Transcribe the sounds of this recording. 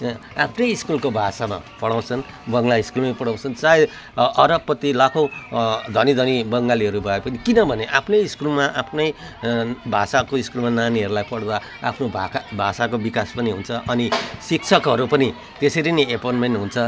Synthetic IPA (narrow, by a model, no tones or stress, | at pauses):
apʰnʌjːskulkobʱasama̰pʌɽaw̃t͡sʰʌn | bʌŋlaiskulmapʌɽaw̃t͡sʰʌnt͡sae | ʌɾʌpːʌt̪ilakʰow̃d̪ʱʌnid̪ʱʌnibʌŋɡaliɦʌɾubʱʌepʌnikinʌbʱʌneʔapʰnʌjiskulmaʔapʰnʌj | bʱasakoiskulmananiɦʌɾulajpʌɽd̪a | a̰pʰnobʱabʱasakobikaspʌniɦunt͡sʰʌʔʌnisiksʰʌkɦʌɾupʌni | t̪eseɾiniepʌnmenɦunt͡sʰʌ